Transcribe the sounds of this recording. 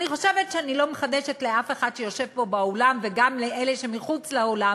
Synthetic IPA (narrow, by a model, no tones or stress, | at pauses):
niχoʃe̞vetʃeanilo̞meχad̪eʃetleafeχad̚ʃejo̞ʃe̞vbo̞baolamveɡamleʔeleʃe̞miχut͡sleola